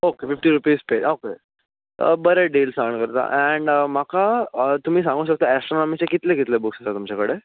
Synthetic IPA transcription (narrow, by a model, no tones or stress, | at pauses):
okefifʈiːɾupiːspeʔoke | bəɾeɖelsaɳkəɾt̪a̰ʔɛɳɖmakat̪um̤iːsãŋɡʱuːɕək̚t̪oæsʈɾonɔmikt͡ɕekit̪lekit̪lebuksat̪at̪umt͡ɕakəɽe